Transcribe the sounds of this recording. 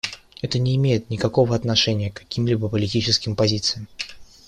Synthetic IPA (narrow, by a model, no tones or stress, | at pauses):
ɛt̪ənʲɪːmʲejɪt̪nʲɪkɐko̞vəɐt̪nɐʂɛnʲɪjəkːɐ̥kʲimlʲibəpəlʲɪtʲit͡ɕɪskʲɪmpɐzʲit̪sɨjɪm